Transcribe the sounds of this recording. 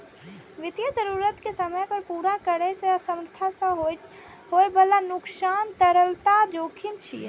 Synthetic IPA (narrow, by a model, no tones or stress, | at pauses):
ʋɪt̪jəd͡ʒəɾuːɾət̪kesəməjpəɾpuːɾakəɾeseəsəmɾt̪ʰasəɦ | ɦoebəlanʊksaːnt̪əɾəlt̪ad͡ʒoːkʰimt͡ʃʰi